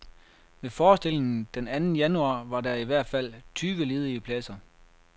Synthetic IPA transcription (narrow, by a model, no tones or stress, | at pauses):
mefɒːsd̥e̝le̝ŋn̩d̥enænn̩jænuɑ̈ːʋɑ̈dæiʋæɐ̰d̥fæl̰t͡sʰyːɡ̥əlið̞ˠiəpʰlɛsɐ